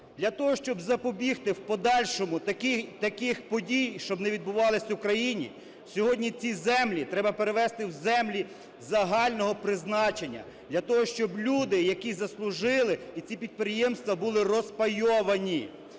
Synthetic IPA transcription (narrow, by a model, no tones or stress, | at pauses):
d̪lʲɐt̪ɔɦɔʃt͡ʃɔbzɐpɔbʲixt̪ɪwpɔd̪ɑlʲʃɔmʊt̪ɐkɪxpɔdʲijʃt͡ʃɔbnɛʋʲid̪̚bʊʋɑlˠɪsʲɐukɾɐjinʲḭ | sʲɔɦɔdʲnʲit͡sʲizɛmlʲit̪ɾɛbɐpeɾeʋɛst̪ɪwzɛmlʲi | zɐɦɑlʲnɔɦɔpɾɪznɑt͡ʃenʲːɐ̰ | d̪lʲɐt̪ɔɦɔʃt͡ʃɔblʲud̪ɪjɐkizɐslˠʊʒɪlˠɪit͡sʲipʲid̪̚pɾɪjɛmst̪ʋɐbulˠɪrɔspɐjɔʋɐnʲi